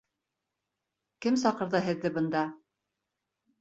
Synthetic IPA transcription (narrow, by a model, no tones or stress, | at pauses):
kɘmsɑqɤ̆ɾðɤɦɘ̆ðːɘbɤ̆nd̪ɑ